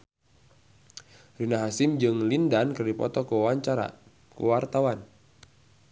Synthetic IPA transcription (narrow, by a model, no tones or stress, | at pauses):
rinaɦasimd͡ʒɨŋlindankɨrdipɔ̰t̪ɔkuwaɲt͡ʃaɾa̰ | kṵwart̪awan